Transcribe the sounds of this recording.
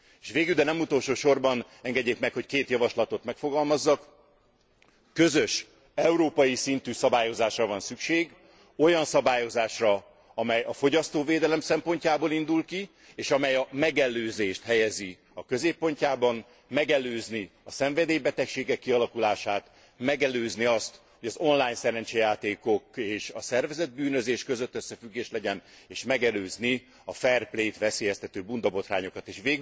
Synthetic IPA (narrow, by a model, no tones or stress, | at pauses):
eʃʋeːɡyld̪ɛnɛmut̪o̞lʃoːʃo̞rbɒn | ɛŋɡɛɟːeːkmɛkho̞ckeːt̪jɒvɒʃlɒt̪o̞t̪mɛkfo̞ɡɒlmɒzːɒk | ø̞zø̞ʃ | ɛuɾoːpɒjisint̪yːsɒbaːjo̞zaːʃrɒvɒnsykʃeːɡ | o̞jɒnsɒbaːjo̞zaːʃrɒ | ɒmɛjɒfo̞ɟɒst̪oːveːd̪ɛlɛmsɛmpo̞ɲcaːboːlind̪ulki | eːʃɒmɛjɒmɛɡɛløːzeːʃt̪hɛjɛzi | ɒkøzeːpːo̞ɲcaːbɒn | mɛɡɛløːzniɒsɛɱvɛd̪eːjbɛt̪ɛkʃeːɡɛkːiɒlɒkulaːʃaːt̪ | mɛɡɛløːzniɒst̪ | ho̞ɟɒzo̞nlaːjɲsɛɾɛnt͡ʃɛjaːt̪eːko̞keːʃɒsɛrvɛzɛd̪̚byːnøzeːʃkøzøt̪ːøsːɛfyɡːeːʃlɛɟɛneːʃmɛɡɛløːzni | ɒfɛrpleːt̪ʋɛseːjɛst̪ɛt̪øːbund̪ɒbo̞t̪raːɲo̞kɒt̪eːʃʋeːɡ